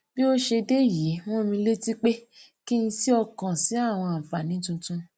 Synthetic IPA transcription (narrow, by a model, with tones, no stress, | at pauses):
bi˦o˦ʃe˧de˦˨je˨˦w̃ɔ̃˦˨mĩ˧le˦ti˦k͡pe˦ | ki˦ĩ˧si˦ɔ˧kã˨si˨˦a˦˨w̃ɔ̃˧a˨fa˨nĩ˨˦tũ˧tũ˦